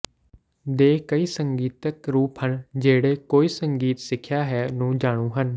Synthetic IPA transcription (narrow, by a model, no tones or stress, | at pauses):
d̪eːkəiːsəŋɡiːt̪əkɾuːpɦənd͡ʒeːɽeːkoːiːsəŋɡiːt̪sɪkʰːjaːɦɛːnũːd͡ʒaːɽ̃ũːɦən